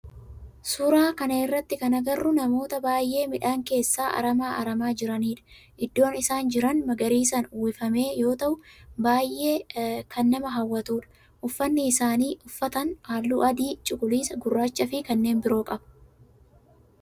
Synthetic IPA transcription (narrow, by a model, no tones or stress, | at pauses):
sʊɾaːkɐnɐɪrːɐt̪ːɪkɐnɐɡɐrːʊnɐmo̞ːt̪ɐbaːjʔe̞ːmɪᶑaːŋke̞ːsːaːʔɐ̰ɾɐmaːʔɐɾɐmaːd͡ʒɪɾɐniːᶑɐ̥ | ʔɪd̪ːo̞ːnɪsaːnd͡ʒɪɾɐnmɐɡɐɾiːsɐnʊːɪfɐme̞ːjo̞ːt̪ɐʔʊbaːjʔːe̞ːkʰɐnːɐmɐɦɐwːɐt̪uːᶑɐ̥ | ʔʊfːɐnːɪːsaːniːʔʊfːɐt̪ɐnaːlːuːʔɐd̪iːt͡ʃʼʊɡʊliːsɐɡʊrːaːt͡ʃːɐfɪkɐnːeːnbɪɾo̞ːkʼɐb̥ɐ̥